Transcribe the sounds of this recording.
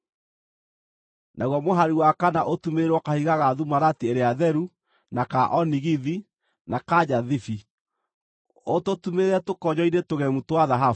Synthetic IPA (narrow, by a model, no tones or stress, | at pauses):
nʔaɣwɔmoɦaɾiwakanaʔotumeɾwɔkahiɣaɣaðumaɾatieɾeaðɛɾu | nakaʔɔniɣiði | nakad͡ʑaðifi | ototumeɾɛtokɔɲɔinetoɣɛmutwaðaɦa